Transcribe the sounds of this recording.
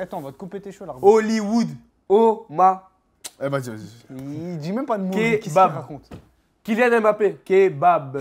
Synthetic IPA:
at̪ɔ̃vɔt̪̚kɔ̃pet̪eʃolaʁoliwud̪ | oma | ɛvazivazi | d̪imɛ̃mpad̪əmkebabʁakɔ̃t̪ | kiljɛ̃nɛmapekebab

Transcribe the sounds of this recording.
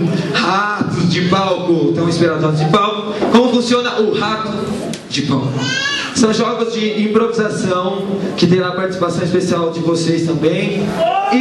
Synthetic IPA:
hat̪ʊzd͡ʒɪpawkʊt̪ɐ̃w̃ĩspeɾad̪ad͡ʒɪpawkʊ | kõmʊfũsiõnɐʔʊhat̪ʊ | d͡ʒɪpɐ̃w̃ | sɐ̃w̃ʒɔɡɐzd͡ʒɪĩpɾovizasɐ̃w̃ | kɪt̪ẽj̃aɐpaɾt͡ʃi̥si̥pasɐ̃w̃ispesiawd͡ʒɪvosejst̪ɐ̃mbẽj̃ɪ

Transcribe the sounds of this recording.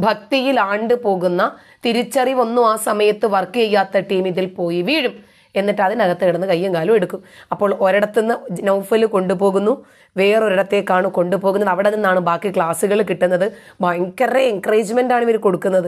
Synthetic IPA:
bʱɐk̚t̪ijilaːɳɖɨpo̞ːɣunːɐ | t̪iɾit͡ɕːɐriʋonːuaːsɐmɐjɐt̪ːɨʋɐrkːɨjejːaːt̪ːɐʈiːmiðilpo̞ːjiʋiːɻum | e̞nːiʈːɐðinɐɣɐt̪ːeiɽɐnːɨkɐjːɐmkaːlɐme̞ɽukːumɐpːo̞ːɭo̞ɾɐɽɐt̪ːenːɨnɐwfɐlɨko̞ɳɖupo̞ːɣunːu | ʋe̞ːro̞ɾɐɽɐt̪ːe̞kːaːɳuko̞ɳɖupo̞ːɣunːɐðɐʋiɽeninːaːɳɨbaːkːikɭaːsuɣɐɭkiʈːunːɐðɨbaːŋkːɐreeŋkɐreːd͡ʑmendaːɳiʋɐɾuko̞ɽukːunːɐðɨ

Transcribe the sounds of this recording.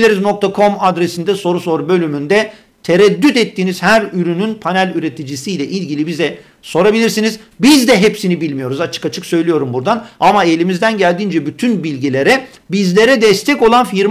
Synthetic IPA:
lʲeɾizno̞k̚t̪ʰakʰo̞mad̪ɾesind̪ɛso̞ɾuso̞ɾbø̞lʲymynd̪ɛ | t̪ʰeɾɛd̪ːyt̪ɛt̪ːiːniz̥hæɾyɾynynpʰanælʲyɾe̞t̪ʰid͡ʒisijlʲɛʔilʲɟilʲibizɛ | so̞ɾabilʲiɾsinizbizd̪ɛɦepsinibilʲmijo̞ɾuzat͡ʃʰɯ̥kat͡ʃʰɯksø̞jlʲijo̞ɾumbuɾd̪anamae̞lʲimizd̪ænɟælʲd̪iːnd͡ʒɛbyt̪ʰynbilʲɟilʲe̞ɾɛ | bizlʲe̞ɾɛd̪ɛst̪ʰɛco̞lˠanfiɾ

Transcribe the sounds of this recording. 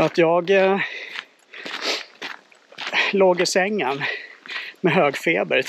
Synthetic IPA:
at̪jɑːɡ | loːɡɪsɛŋːən | mɛɦøːɡfeːb̪əɾ

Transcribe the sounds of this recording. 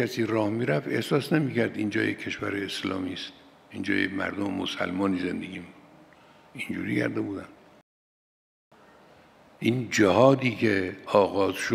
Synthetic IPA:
æsiːɾɒːhmiːɾæfe̞hsɒːsnemiːcʰæɾd̪ind͡ʒɒ̰ːjekʰːe̞ʃvæɾeeslɒ̰ːmiːst̪̚ | ind͡ʒɒ̰ːjḛmæ̰ɾd̪omḛmo̰sæ̰lmɒːniːze̞nd̪eɡʲiːmikud̪ | ind͡ʒṵːɾiːkʰæ̰ɾd̪ebuːd̪æn | ʔiːnd͡ʒehɒːd̪iːkʰeɒːɣɒːzʃo

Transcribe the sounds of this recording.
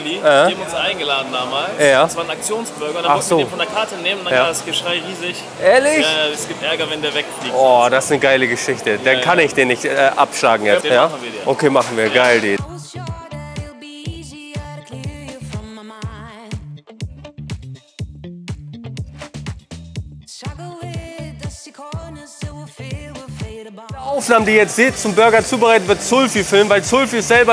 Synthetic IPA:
diːʔɛamʊnsʔaɪnɡəlaːdn̩daːmaːljaːsv̥aːɐnak̚t͡sjoːnsb̥ʏɐɡɐdaaɔnz̥oːiɪfɔndeːɐkʰaɐtəneːməndajaːasɡ̥əʃʁ̥aɪʁiːzɪç | ʔɛːɐlɪçɛsɡ̥iːp̚tʔɛɐɡɐvɛndeːɐvɛkfliːɔːd̥asnəɡaɪləɡəʃɪçtədankʰanɪçd̥eːnːɪçtɛːʔa̰pʃlaːɡŋ̩jɛjaːn̩viːɐdiʔokʰeːmaχn̩viːɐɡaɪldiːɔðilˠbiiziəkʰɪjɨfɹʌ̃mamaɪn | sʌɡl̩ˠwɪəskʰɔnəzowɪfwɪfeəʔaʊfnaːmədiːjɛt͡stz̥eːtt͡sʊmbʏɐɡɐt͡suːbəʁaɪtətvɪɐtt͡sʊlfifɪlmvaɪlt͡sʊlfisz̥ɛlbɐ

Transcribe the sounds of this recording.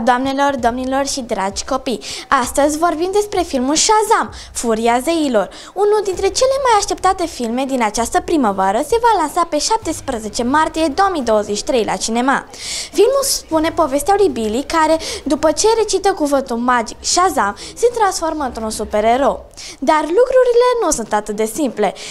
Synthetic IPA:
d̪oamne̞lo̞rd̪omnilo̞rʃid̪ɾad͡ʒʲko̞pijast̪əzʲvo̞rbimd̪e̞spɾe̞filmulʃazam | fuɾiazeilo̞r | unuld̪int̪ɾe̞t͡ʃe̞le̞majaʃt̪e̞p̚t̪at̪e̞filme̞d̪inat͡ʃast̪əpɾiməvaɾəse̞valansape̞ʃap̚t̪e̞spɾəze̞t͡ʃe̞mart̪ije̞d̪o̞omijd̪o̞wəzet͡ʃi̥t̪ɾe̞jlʔa̰t͡ʃine̞ma̰ | filmulspune̞po̞ve̞st̪ealibilikaɾe̞d̪upət͡ʃe̞ɾe̞t͡ʃit̪əkuvɨnt̪ulmad͡ʒikʃazamse̞t̪ɾansfo̞rməɨnt̪ɾunsupe̞ɾe̞ɾo̞ | d̪arlukɾuɾile̞nusunt̪at̪ɨt̪̚d̪e̞simple̞

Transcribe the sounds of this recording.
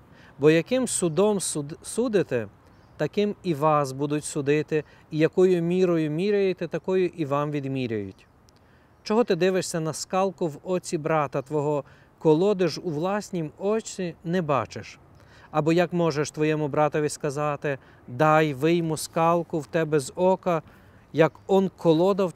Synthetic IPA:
bɔjɐkɪmsʊd̪ɔmsud̪ɪt̪ɛ | t̪ɐkɪmiʋɑsbud̪ʊtʲsʊd̪ɪt̪ɪ | ijɐkɔjʊmʲiɾɔjʊmʲiɾʲɐjet̪ɛt̪ɐkɔjʊʔiʋɑmʋʲid̪mʲiɾʲɐjʊtʲ | t͡ʃɔɦɔt̪ɪd̪ɪʋɪʃsʲɐnɐskɑlˠkʊwɔt͡sʲibɾɑt̪ɐt̪ʋɔɦɔ | kɔlˠɔd̪ɪʃuʋlˠɑsʲnʲimɔt͡ʃʲinɛbɑ̰t͡ʃɪʃ | ɐbɔjɐkmɔʒeʃt̪ʋɔjɛmʊbɾɑt̪ɔʋʲiskɐzɑt̪ɪ | d̪ɑjʋɪjmʊskɑlˠkʊwt̪ɛbɛzɔkɐ | jɐkɔnkʰɔlˠɔd̪ɐw

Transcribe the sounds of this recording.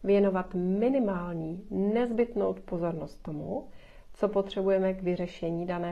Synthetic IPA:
vjɛno̞vat̪mɪnɪmaːlɲiːnɛzbɪt̪no̰wt̪po̞zo̞ɾnost̪ːo̞mu | t͡so̞po̞t̪r̝̥ɛbujɛmɛɡvɪrɛʃɛɲiːdanɛː

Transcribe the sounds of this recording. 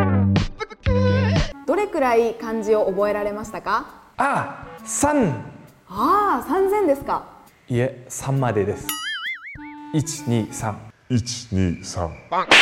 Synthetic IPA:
d̪̥o̞ɾe̞kɯ̟ɾaikãɲ̟d͡ʑio̞ʔobo̞e̞ɾaɾe̞maɕi̥t̪akaasãŋ | asãnzẽ̞nd̪e̞sɨ̥ka | iesãmːad̪ed̪e̞sɨ̥ | it͡ɕi̥ɲiːsãŋit͡ɕi̥ɲiːsã̰ŋ

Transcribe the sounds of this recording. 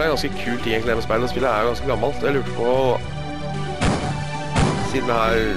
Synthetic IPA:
æɾɡɑnskəkʰʉːlt̪ʰɪŋɛŋk̪lɛməspæɪləɔspɪlːəæɾʊɡɑnskəɡɑmːɑlt̪d̪ɛɑljʊʈfɔ | siːd̪n̩əhæːɾ

